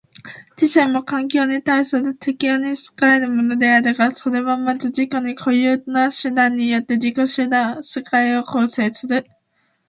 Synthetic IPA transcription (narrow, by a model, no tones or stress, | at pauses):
t͡ɕiɕẽmːo̞kãŋk̬ʲo̞ːɲ̟it̪aisɨɾɯ̟t̪ʰe̞kʲioɲ̟isɨ̥kaɾe̞ɾɯ̟mo̞no̞d̪e̞aɾɯɡaso̞ɾe̞βamazɨd͡ʑiko̞ɲ̟ikʰo̞jɯːnaɕɨd̪ãɲ̟ːijo̞t̪ːe̞d͡ʑiko̞ɕɨd̪ãɰ̃sekaio̞ko̞ːse̞ːsɨɾɯ̟